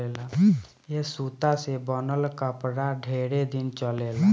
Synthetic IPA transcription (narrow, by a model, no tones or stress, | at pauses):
ela | jesuːt̪asebənəlkəpɽaɖʱeːɽed̪ɪnt͡ʃəleːla